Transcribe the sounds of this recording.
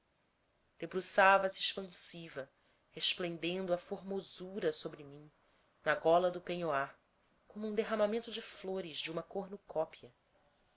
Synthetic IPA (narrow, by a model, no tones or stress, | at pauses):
d̪̥ebɾusavɐsiːʃpɐ̃sivɐ | heʃplẽnd̪ẽnd̪ʊɐfoɾmozuɾɐsobɾɪmĩ | nɐɡɔlɐd̪ʊpẽɲoa | kõmʊũd̪eɦamamẽnt̪ʊd͡ʒɪfloɾɪʒd͡ʒɪũmɐkoɾnʊkʰɔpiɐ